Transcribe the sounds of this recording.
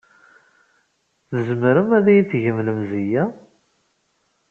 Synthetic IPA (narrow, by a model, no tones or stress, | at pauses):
θəzmɾəmæðæjiθʝəmləmzijæ